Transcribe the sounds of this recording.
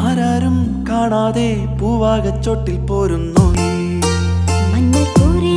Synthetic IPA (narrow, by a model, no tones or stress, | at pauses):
aːɾaːɾum | kaːɳaːðeː | puːʋaːɣɐt͡ɕːoːʈːilpoːɾunːu | mɐnːɐkuːɾi